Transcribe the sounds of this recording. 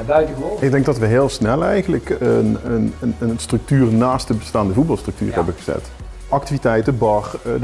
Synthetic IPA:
btəɪɡ̚dɛŋɡ̚dɑtʋəɦeːlˠsnɛlˠɛjχənləkənənənəstrɵk̚tyːrnaːstdəbəstaːndəvutbɑlˠstrəkty̰ːrɦɛbənχəz̥ɛ̰t | ʔɑk̚tivitɛjtəbɑχ

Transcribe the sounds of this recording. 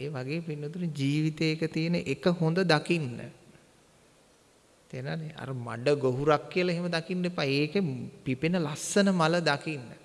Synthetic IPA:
eːʋaɡeːpinːot̪unid͡ʒiːʋit̪eːkət̪ijənəʔekəɦond̪əd̪akinːə̰ | t̪enanea̰ɾəma̰ɖəɡoɦuɾakːijəlɐeɦeməd̪akinːepaːeːkepipenəlasːənəmaləd̪akinːə̰

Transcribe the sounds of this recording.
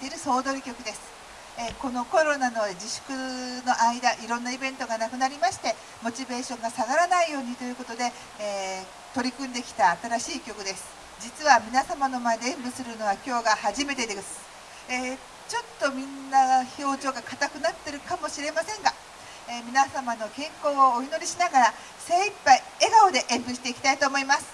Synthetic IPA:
t̪e̞iɾɯ̟so̞ːd̪o̞ɾʲikʲo̞kɯ̟d̪e̞sɨ̥ | eko̞no̞ko̞ɾo̞nano̞d͡ʑiɕɨ̥kɯ̟no̞ʔaid̪aʔiɾõ̞nːaibẽ̞nt̪o̞ɡanakɯ̟naɾʲimaɕi̥t̪e̞ | mo̞t͡ɕibe̞ːɕõ̞ŋɡasaɡaɾanaijo̞ːɲ̟it̪o̞jɯ̟ːko̞t̪o̞d̪e̞ː | t̪o̞ɾʲikɯ̟̃nd̪e̞kʲi̥t̪aːt̪aɾaɕiːkʲo̞kɯ̟d̪e̞sɨ̥ | d͡ʑit͡sɨβamʲinasamano̞mae̞d̪eẽmbɯ̟sɨɾɯ̟no̞β̞akʲo̞ːɡahaʑime̞t̪e̞d̪esɨ̥ | e | t͡ɕo̞t̪ːo̞mʲĩnːaço̞ːʑo̞ːɡakat̪akɯ̟nat̪ːe̞ɾɯ̟kamo̞ɕiɾe̞masẽ̞ŋɡa | emʲinasamano̞kẽ̞ŋko̞ːooino̞ɾʲiɕinaɡaɾa | seːipːai | eɡaod̪e̞ʔẽ̞mbɯ̟ɕit̪e̞ikʲi̥t̪ait̪o̞ːmo̞imasɨ̥

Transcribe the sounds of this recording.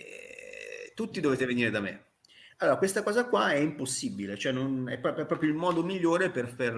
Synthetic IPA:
t̪ut̪ːid̪oveːt̪eveniːɾed̪amḛ | alːoːɾakwest̪akɔːzakwaɛimposːibilet͡ʃoɛnːonɛ̰pːɔɛpːɾɔːpɾjoilmɔːd̪omiʎːoːɾeperfar

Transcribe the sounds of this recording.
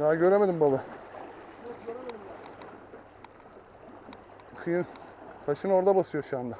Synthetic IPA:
d̪aɟø̞ɾe̞me̞d̪imbalˠɯ | kʰɯjɯnt̪ʰaʃɯno̞ɾd̪abasɯjoʃuand̪a

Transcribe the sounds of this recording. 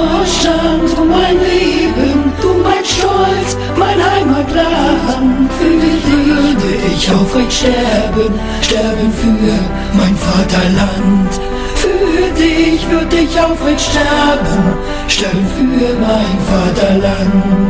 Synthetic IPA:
ɔʃtantʊmmaɪnleːbənʊmaɪnʃɔlt͡s | maɪnhaɪmaɡlaːənfyːdɪvʏɐdəʔɪçaʊfɪnʃtɛɐbən | ʃtɛɐbənfyː | maɪnfaːtɐlant | fyːɐdɪçv̥ʏɐdəɪçaʊfmɪnʃtɛɐbən | ʃtɛɐbənfyːɐmaɪnfaːtɐlan

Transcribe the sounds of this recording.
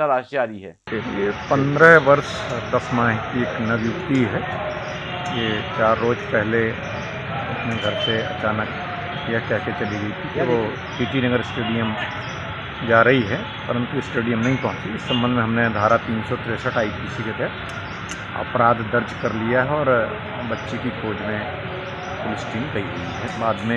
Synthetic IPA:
sɐd̪aːʃjaːɾiɦɛ | eːkʰijepɐ̃nd̪ɾəɦʋɐɾsd̪ɐsmãːɦkieːknɐʋjʊkt̪iɦɛː | jet͡ʃaːɾːoːd͡ʒpɛɦle | ɐpneɡʱɐɾseɐ̰t͡ʃaːnək | jɐɦkɛɦket͡ʃɐliɡɐit̪ʰikiʋo | piːʈinɐɡəɾɪsʈeːɖijəm | d͡ʒaːɾɐɦiɦɛ | pəɾə̃nt̪uɪsʈeːɖijəmnɐɦĩpɔɦʊ̃t͡ʃiɪsːə̃mbə̃nd̪ʱmẽɦɐmned̪ʱaːɾat̪iːnsɔt̪ʰɪɾeːsəʈaːipiːsiket̪ɛɾ | ɐ̰pɾaːd̪d̪ɐɾd͡ʒkɐɾlijaɦɛɔːɾ | bɐtːʃekikʰoːd͡ʒmẽ | pʊlɪsʈĩːŋɡɐiɦuiɦɛːbaːd̪mẽ

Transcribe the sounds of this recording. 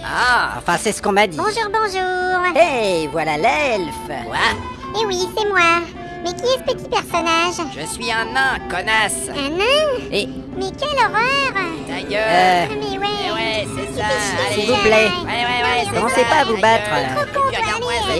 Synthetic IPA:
aɑ̰̃fɛ̃sɛsə̥kɔ̃mad̪ibɔ̃ʒuʁbɔ̃ʒuːʁevwalalɛlfwa | ewisɛmwa | mɛkʲiɛsə̥pət̪ipɛʁsɔnaʒʒəsɥiɛ̃nɛ̃kɔnas | anɛ̃e | mɛkʲɛlɔʁœʁd̪ajømɛwɛwɛ | silvuplɛɛwɛɔmɑ̃sepaːvubat̪χlaokɔ̃pal

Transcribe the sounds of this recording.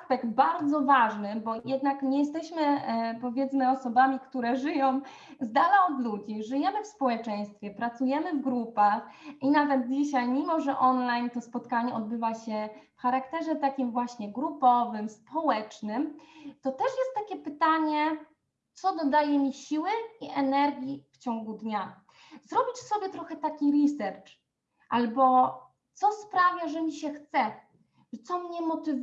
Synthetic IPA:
spɛɡt̪̚baɾd̪zɔvaʐnɘbɔjɛd̪nakɲɛjɛst̪ɛɕmɘpɔvʲjɛt̪smɘɔsɔbamʲikt̪uɾɛʐɘjɔ̃w̃ | zd̪alaɔd̪lud͡ʑiʐɘjɛmɘfspɔwɛt͡ʂɛj̃st̪fʲjɛpɾat̪sujɛmɘvɡɾupaxinavɛd̪̚d͡ʑiɕajmʲimɔʐɛʔɔnlajnt̪ɔspɔt̪kaɲɛɔd̪̚bɘvaɕɛfxaɾakt̪ɛʐɛt̪akʲimvwaɕɲɛɡɾupɔvɘmspʰɔwɛt͡ʂnɘmt̪ɔt̪ɛʂjɛst̪ːakʲɛpɘt̪aɲɛ | t̪sɔd̪ɔd̪ajɛmʲiɕiwɘiʔɛnɛɾɡʲift͡ɕɔŋɡud̪ɲa | zɾɔbʲiʂsɔbʲjɛt̪ɾɔxɛt̪akʲiɾisɛɾt͡ʂ | ʔalbɔ | t̪sɔspɾavʲjaʐɛmʲiɕɛxt̪sɛ | ʐt̪sɔmɲɛmɔt̪ɘ

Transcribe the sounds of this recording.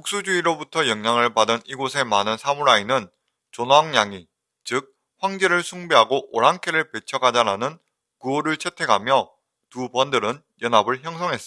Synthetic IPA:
muk̚s͈ud͡ʑuiɾobutʰʌjʌŋɲaŋɯɭpadɯniɡosʰe̞manɯnsʰamuɾainɯn | t͡ɕonwaŋɲaŋi | t͡ɕɯk̚ | ɸwaŋd͡ʑeɾɯɭsʰuŋbeɦaɡoʔoɾaŋkʰeɾɯɭpe̞t͡ɕʰʌɡad͡ʑaɾanɯn | kuoɾɯɭt͡ɕʰetʰe̞ɡʰʱamjʌ | tubʌndɯɾɯn | jʌnabɯɭçjʌŋsʰʌŋɦe̞s͈

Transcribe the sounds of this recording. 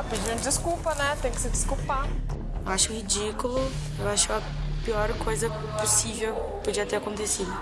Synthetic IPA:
pid͡ʒiɐ̃d̪ɪskupɐnɛt̪ẽj̃kɪ̥sɪd͡ʒɪskupa | ewaʃʊhid͡ʒikʊlʊ | ewaʃʊɐ | piɔɾkojzɐ | posivewpud͡ʒiɐt̪eɾakõnt̪esid̪ʊ

